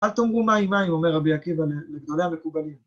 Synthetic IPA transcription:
alt̪omʁumaimaimo̞meʁːabiakivaleleɡd̪o̞lehame̞kubalim

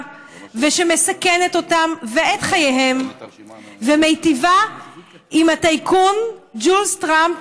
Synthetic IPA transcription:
veʃe̞me̞sake̞neto̞tamveetχajejɦe̞m | vemejtiva | imhat̪ajkʰund͡ʒulst̪ʁamp

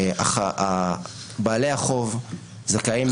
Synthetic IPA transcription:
a̰aa | baːleaχo̞v | zakaim

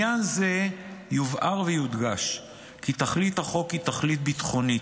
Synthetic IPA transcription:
anze̞juvʔaʁvejud̪ɡaʃ | kit̪aχlit̪haχo̞kit̪aχlit̪̚bit̪χo̞ni

